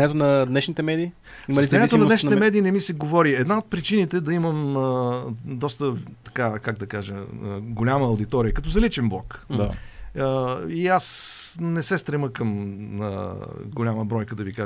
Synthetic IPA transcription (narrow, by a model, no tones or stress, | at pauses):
ɛt̪onɐd̪nɛʃnit̪ɛmɛd̪iː | iɐlinɛt̪onɐd̪ɛʃnit̪ɛmɛd̪iːnɛmisɛɡovɔɾiɛd̪naot̪̚pɾit͡ʃinit̪ɛd̪ɐiməməd̪ɔst̪ət̪ɐ̥kakaɡd̪ɐkaʒeəɡolʲaməːʊwd̪it̪ɔɾijəkɐt̪ɔzɐlit͡ʃɛnblˠɔkd̪a̰əiasnɛsɛst̪ɾɛməkəmə̰ɡolʲaməbɾɔjkəd̪ɐvika